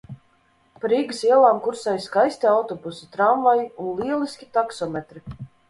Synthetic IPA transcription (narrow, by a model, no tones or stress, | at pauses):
paɾiɡɨsiɛlˠaːmkuɾsajskajst̪iawt̪ɔbusi̥t̪ɾamvajunlˠiɛlˠiskʲi̥t̪aksɔmʲɛt̪ɾi